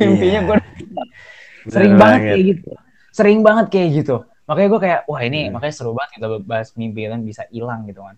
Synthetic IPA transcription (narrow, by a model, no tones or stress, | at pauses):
impiɲaɡua | səɾɪŋbaŋət̪̚ajaɡit̪u | səɾɪŋbaŋət̪̚kajaɡit̪u | makaɲaɡuakajaʔwahinimakaɲasəɾubaŋət̪̚kit̪abbaɦasmibiit̪anbisaʔilaŋɡit̪ukan